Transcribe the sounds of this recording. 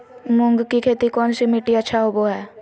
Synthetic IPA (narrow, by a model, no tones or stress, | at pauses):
mʊ̃ŋɡkikʰeːt̪ikɔːnsimɪʈiətːʃʰaɦoboɦɛː